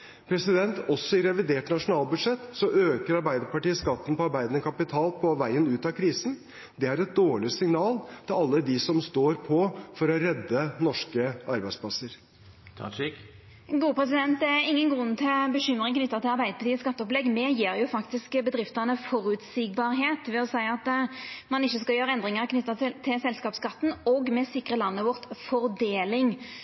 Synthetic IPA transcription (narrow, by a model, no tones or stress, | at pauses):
pʰɾɛsɪd̪ɛnt̪ɔsɔɪɾɛʋɪd̪eːʈnɑʂʊnɑːlbʉd̪ʂɛt̪ːsɔʔøːkəɾɑɾbæɪd̪əɾpɑʈiːəskɑt̪ːn̩pʰɔɑɾbæɪd̪ənəkʰɑpɪt̪ʰɑːlpʰɔʋæɪənʉːt̪ɑkʰɾiːsn | d̪ɛæɾɛt̪̚d̪oːɭɪsɪŋnɑːlt̪ʰɪlɑlːəd̪ɪsɔmst̪oːɾpʰɔfɔɾɔɾɛd̪ːənɔʂkəɑɾbæɪspʰlɑsːəɾʰ | ɡuːəpʰʁɛs̬ɪd̪ɛnt̪̚d̪ɛæɪŋːənɡʁʉnːət̪ʰɪlbəɕʏmʁɪŋkʰnʏt̪ːɑt̪ɪlɑʁbæɪd̪əpʰɑt̪ʰiːəskɑt̪ːəɔplɛɡmɛjiːɾjʊfɑkt̪ɪskbəd̪ɾɪft̪əʁnəfɔɾʉt̪siːɡ̚bɑːɾɦeːt̪ʋɛɔsæɪɑt̪mɑnɪçːəskɑljøːɾəɛnd̪ɾʁɪŋəʁkʰnʏt̪ːɑt̪ʰɪlt̪ʰɪlsɛlskɑːpskɑt̪ːn̩ɔɡmɛsɪkːʁəlɑnːəʋɔʁt̪fɔʁd̪eːlɪŋ